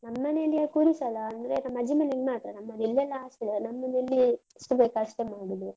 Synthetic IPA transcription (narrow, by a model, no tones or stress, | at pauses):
nɐmːɐnelːiekuːɾisɐlɐːnd̪ɾenɐmːɐd͡ʒimɐniɡemaːt̪ɾɐnɐmːɐd̪ilːɛlːɐaːʂʈilnɐmːɐnelːi | ʂʈɐbeːkaʂʈemaːɽid̪u